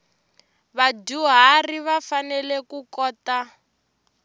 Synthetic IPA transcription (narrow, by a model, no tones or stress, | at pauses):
βaduɦariβafanɛlɛkukɔːta